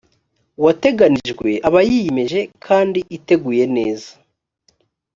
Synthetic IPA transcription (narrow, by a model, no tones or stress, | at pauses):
wate̞ɡaniʒɡwe̞ʔaβajijime̞ʒe̞kʰaːndiʔite̞ɡuːje̞ne̞ːza